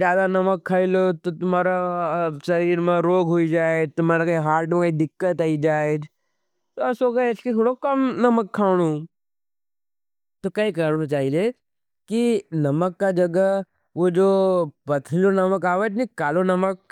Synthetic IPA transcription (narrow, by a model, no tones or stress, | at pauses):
d͡ʒaːd̪anɐməkʰːaːilot̪ot̪ʊmaːɾasɐɾiːɾmẽɾoːɡɦoid͡ʒaːed͡ʒt̪ʊmaːɾakɦaːɾʈẽkaid̪ɪkːət̪aːid͡ʒaːed͡ʒ | t̪oɐsoɡeesket̪ʰoːɽokɐmnɐməkʰːaːɽ̃ũ | t̪okɐikɐt͡ʃaːɦile | kinɐməkːad͡ʒɐɡə | ʋod͡ʒoːpɐt̪ʰlonɐməkaːʋəd͡ʒnikaːlonɐmək̚